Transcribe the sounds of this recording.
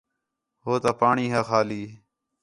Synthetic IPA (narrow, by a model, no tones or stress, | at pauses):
ɦoːt̪aːpaːɳiːɦaːxaːliː